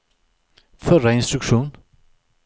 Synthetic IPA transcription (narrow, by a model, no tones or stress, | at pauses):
fœɾaɪnst̪ɾɵkʂuːn